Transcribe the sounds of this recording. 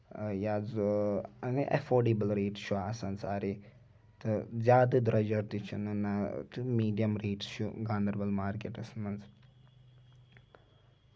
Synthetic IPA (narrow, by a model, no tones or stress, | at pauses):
jaz | niʔɐ̰foːɖibəlɾeːʈsʃuaːsɐnt͡saːɾi | t̪ɨzʲjaːd̪ɨd̪ɾɐd͡ʒɐɾt̪it͡ʃʰunɐnat̪ɨmiːɖijɐmɾeːʈsʃuɡãːnd̪ɐɾbɐlmaːɾkeʈɐsnɐnz